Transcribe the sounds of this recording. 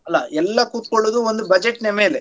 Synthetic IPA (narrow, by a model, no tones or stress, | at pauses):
ɐlːɐɛlːɐkuːt̪̚koɭːuːd̪uond̪ubɐd͡ʒeʈnemeːle